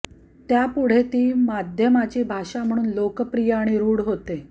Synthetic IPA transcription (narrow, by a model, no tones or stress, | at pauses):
t̪japuɽ̤et̪iːmad̪ʱjəmat͡ɕiːbʱaʂam̤əɽ̃uːnlokəpɾijəːɽ̃iɾuːɽɦot̪e